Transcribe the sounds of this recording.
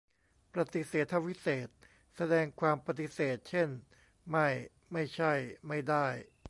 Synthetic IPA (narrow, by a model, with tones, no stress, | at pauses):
pɾa˧t̪i˨˦seː˨˩t̪ʰːa˧˥wi˦˥seː˨˩t̪̚ | sa˧dɛː˧ŋkʰwaː˧mpa˧t̪i˧˥seː˨˩t̪̚t͡ɕʰe˥˩n | ma˥˩j | ma˥˩jt͡ɕʰa˥˩jma˥˩jda˥˩j